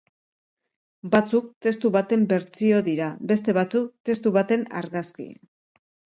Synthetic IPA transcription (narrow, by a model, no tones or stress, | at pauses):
bat͡suk̚t̪e̞st̪uβat̪e̞mbe̞ɾt͡sio̞ðiɾabe̞s̬t̪e̞βat͡suk̚t̪e̞st̪uβat̪e̞na̰ɾɣaskḭ